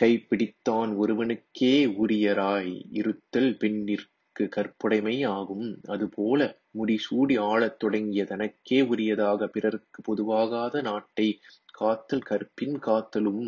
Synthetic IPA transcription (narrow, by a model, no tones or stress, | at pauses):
kɐɪpːɪɽɪt̪ːaːnɔɾɯʋɐnɯkʰːeːʊɾɪjɐɾaːjɪ̰ɾɯt̪ːɐlpɛɳːɪr | kɯkɐrpːɐɽɐɪmɐɪaːɣɯmɐðɯpʰoːlɐ | mʊɽisuːɽiaːɭɐt̪ːɔɽɐŋɡɪjɐt̪ɐnɐkːeːʊɾɪjɐðaːɣɐpɪrɐɾɯkːɯpɔðɯʋaːɣaːðɐnaːʈːɐɪkaːt̪ːɐlkɐrpːɪnkaːt̪ːɐlɯm